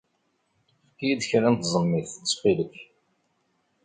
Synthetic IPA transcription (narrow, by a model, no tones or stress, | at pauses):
fkːijiðçɾænt̪zˤəmːɪθt͡sːfiləç